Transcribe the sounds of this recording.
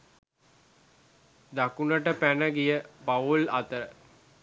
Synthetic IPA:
d̪akunəʈəpænəɡijəpaulat̪əɾə

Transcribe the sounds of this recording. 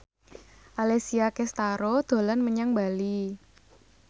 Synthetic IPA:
ʔalesiakɛst̪aɾod̪̥o̤lanməɲaŋbali

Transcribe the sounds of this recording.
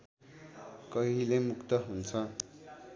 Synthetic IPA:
kʌɦilemukt̪ʌɦunt͡sʰʌ

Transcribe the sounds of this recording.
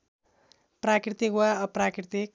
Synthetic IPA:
prakrit̪ikwaʌprakrit̪ik̚

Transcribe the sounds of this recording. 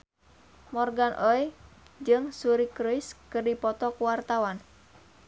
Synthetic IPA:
mɔrɡanʔɔjd͡ʒɨŋsuɾikɾuiskɨrdipɔt̪ɔkuwart̪awan

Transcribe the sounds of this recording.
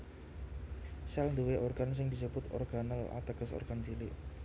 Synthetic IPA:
sɛlnd̪uweʔorɡans̬ɪŋd̪isəbʊt̪ɔ̰rɡ̥anəla̰t̪əkəso̰rɡ̥ant͡ʃilɪʔ

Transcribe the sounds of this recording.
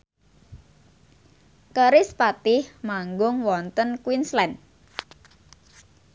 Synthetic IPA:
kəɾɪspat̪ɪhmaŋɡʊŋwɔnt̪ənkwinslɛn

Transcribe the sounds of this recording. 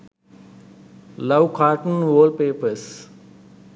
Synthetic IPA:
lɐʋkʰaːɾʈənʋəːl̚peːpəɾs

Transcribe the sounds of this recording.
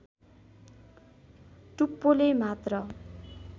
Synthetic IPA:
ʈupːolemat̪rʌ

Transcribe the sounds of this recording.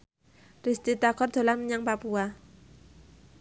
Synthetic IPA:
rist̪it̪akʰɔrd̪̥o̤lanmɲaŋpapua

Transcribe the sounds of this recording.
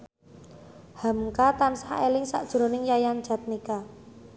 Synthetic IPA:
hamkat̪ansaelɪŋsa̰ʔd̥ʒ̥ɾo̤nɪŋjajand̥d͡ʒ̥a̤t̪̚nika

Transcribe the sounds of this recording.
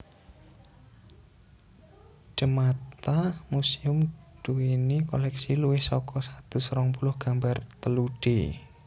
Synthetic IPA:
d͡ʒ̥ə̤mat̪amusiʊmd̪̥uwinikɔlɛksiluwɪhsɔkʰɔsat̪usɾɔŋpulʊhɡ̥ambart̪əluɖ̥ḛ

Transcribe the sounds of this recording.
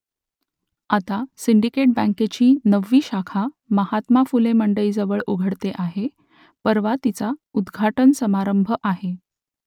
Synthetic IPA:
at̪asiɳɖikeʈ̚bæ̃ŋket͡ɕiːnəʋːiːɕakʰa | məɦat̪mafuleməɳɖəiːd͡zəʋəɭuɡʱəɽt̪eʔaɦe | pəɾʋat̪it͡saud̪ɡʱaʈənsəmaɾəmbʱəʔaɦe

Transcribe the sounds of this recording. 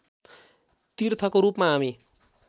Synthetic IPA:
t̪irt̪ʰʌkoɾupmaɦami

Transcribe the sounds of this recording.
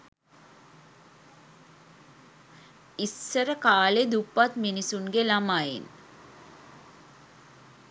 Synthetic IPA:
isːəɾəkaːled̪upːat̪minisuŋɡelamajḛn

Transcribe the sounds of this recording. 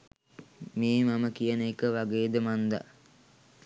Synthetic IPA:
meːmaməkijənəekəʋaɡeːd̪əmand̪a̰

